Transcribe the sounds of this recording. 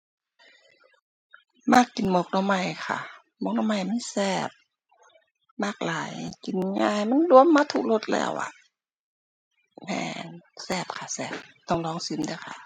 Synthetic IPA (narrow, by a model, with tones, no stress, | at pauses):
maː˧˩˨kːi˨nmo˧k̚nɔ˧˩ma˧˩jkʰa̰˧˩ | mo˧˨k̚nɔ˧˥˨ma˧˩jmiː˧˥˨sɛː˧˩p̚ | maː˧˩k̚laː˨˦jki˨˦nɲaː˧˩jma˧˥˨ndu˧əmːaː˧˥˨t̪ʰu˧˨k̚lo˧t̪̚lɛ̰ː˧˩wʔa̰˧˩ | mɛ̰ː˧˩nsɛː˧˩p̚kʰa˧˩sɛː˧˩p̚t̪ɔ˧˩ŋlɔː˧˥˨ŋsɯ˧˥˨mda˧˩jkʰa̰˧˩